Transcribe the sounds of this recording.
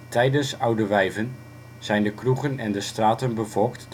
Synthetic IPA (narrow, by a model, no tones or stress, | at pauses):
tɛjdənsʌwdəʋɛjvən | z̥ɛjndəkruɣənɛndəstraːtənbəvɔlˠktː